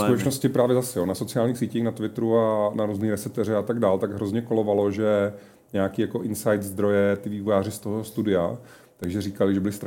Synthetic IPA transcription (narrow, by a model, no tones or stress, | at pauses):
sut̪ɛt͡ʃnoscɪpɾaːvjɛzasɛjo̞naso̞t͡sɪaːlɲiːxsiːciːxnat̪vɪt̪ɾuanaɾuzniːxɾɛsɛp̚t̪ɛrɛat̪aɡdaːlt̪aɡɦɾo̞zɲɛko̞lo̞valo̞ʒɛ | ɲɛjakiːjako̞ʔɪnsajt̪zd̪ɾo̞jɛt̪ɪviːvojaːrɪst̪oɦost̪udɪa | t̪aɡʒɛɾiːkalɪʒɛbɪlɪst̪